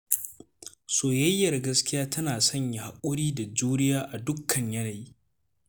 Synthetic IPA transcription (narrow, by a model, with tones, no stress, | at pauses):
soː˨jɐ˦jːɐ˨rɡɐ˦skʲɪ˦jaː˦tɐ˦naː˨sɐ˦ɲja˨ha˨kʷʼʊ˦ɽiː˦da˨d͡ʒuː˦nɪ˦jaː˦ʔa˨dʊ˦kʰːɐ˨ɲjɐ˦naː˨ji˦